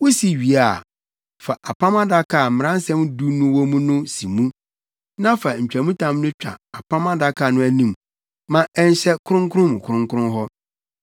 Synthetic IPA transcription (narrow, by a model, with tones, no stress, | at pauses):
wo˦si˨ɥi˨a˨ | fa˨ʔa˨pʰã˦mã˦da˨kʰa˨m̩˨m̃˨ã˦n˦sɛ̃˦mdu˦nʊ̃˦wo˦mũ˦nʊ̃˦si˨mũ˦ | nã˦fa˨ɲ̩˨t͡ɕᶣæ˨mũ˦tʰã˦mnʊ̃˦t͡ɕᶣa̰˨a˨pʰã˦mã˦da˦kʰa˨nʊ̃˦æ˨nĩ˨m | mã˦ɛ˦n˦ɕɛ˦kʰʊ˦ɾʊ̃˦ŋkʰʊ˦ʊ̃˦m˨kʰʊ˦ʊ̃˦ŋkʰʊ˦ʊ̃˦nɦɔ˦